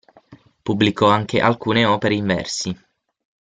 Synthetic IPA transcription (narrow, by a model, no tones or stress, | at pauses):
pubːlikɔaŋk̟ʰeʔa̰lkuːneɔːpeɾeiɱvɛ̰rsi